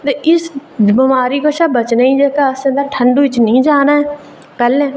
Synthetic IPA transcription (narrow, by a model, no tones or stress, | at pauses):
t̪eʔɪsbɪmaːɾiːkoʃaːbət͡ʃnaĩd͡ʒeːkaəsə̃nd̪əɾʈʰə̃ɳɖuːɪt͡ʃnĩːd͡ʒaːnaɛː | pɛːlẽː